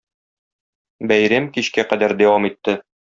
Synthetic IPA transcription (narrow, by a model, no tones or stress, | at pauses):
bæjɾæmkiɕkæqæd̪æɾd̪æwɑmit̪ːɘ